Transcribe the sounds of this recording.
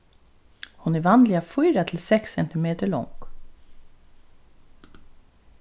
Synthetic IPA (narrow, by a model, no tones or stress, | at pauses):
hʊnɛʋɑnd̪lɪafɔʏɾat̪ʰɪlsɛksɛnt̪ɪmeːt̪əɭɔ̰ŋk